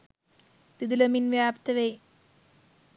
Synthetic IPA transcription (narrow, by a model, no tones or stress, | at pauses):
t̪id̪ilɐminʋjaːpt̪ɐʋej